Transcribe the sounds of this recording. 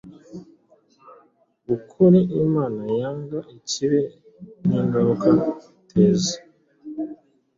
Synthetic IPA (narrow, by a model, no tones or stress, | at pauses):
ukʰuɾeʔimaːnajaːŋɡaʔeciɾe | niŋɡaɾuka | tʰezi